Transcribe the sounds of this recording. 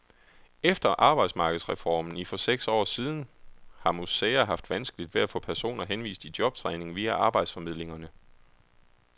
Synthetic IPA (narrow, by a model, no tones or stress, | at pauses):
efd̥ɐʔɑ̈ːb̥ɑ̈ɪd̥smɑ̈ːɡ̥ðˠsʁɛfɒ̰ːmn̩ifɒ̽seɡ̥sɒ̰ːsiːð̞ˠn̩hɑ̈musɛːæɦɑ̈fd̥ʋænsɡ̥əlid̥ʋe̝æfɔ̰̽ːpʰæɐso̝̰ːnɐɦenʋḭːsd̥id̥jɒ̽b̥̚t͡sʰʁɛɪne̝ŋʋiæʔɑ̈ːb̥ɑ̈ɪd̥sfɒ̽mið̞̰ˠle̝ŋɐnə